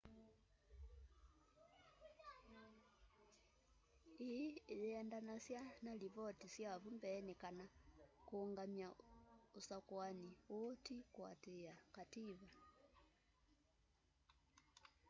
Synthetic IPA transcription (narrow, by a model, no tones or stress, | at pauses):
ijɛandanasjanaliβɔtisjavumbɛːnɛkanakuːŋɡamjausakwaniɔtikwa̰tɛakatiβa